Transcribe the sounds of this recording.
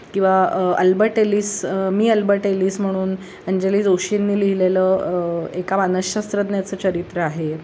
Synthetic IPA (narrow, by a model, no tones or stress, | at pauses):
kĩw̃ʋaə̰lbəʈeliːsmiːəlbəʈeliːsm̤əɽ̃uːn | ənd͡ʑeliːsoɕinːiːliɦilelə | ekamanəɕɕast̪ɾəd̪njat͡səːt͡ɕəɾit̪ɾəaɦe